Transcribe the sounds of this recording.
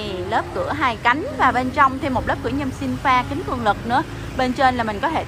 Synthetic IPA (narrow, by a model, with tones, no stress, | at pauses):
ləː˦˥p̚kɨ̰˧˩əɦaː˧jka˨˦jŋ̟vaː˨˩ɓe˧nt͡ɕɔ˧wŋ͡mt̪ʰe˧˩mo˨˩t̚lə˦˥p̚kɨ˧˩əɲə˧msi˧nfaː˧kï˨˦ŋ̟kɨ˧˩əŋlɨ˨˩k̚nɨ̰˧˥ə | ɓe˧nt͡ɕe˧nlaː˨˩mï˨˩ŋ̟kɔ˨˦t̪ʰe˧˩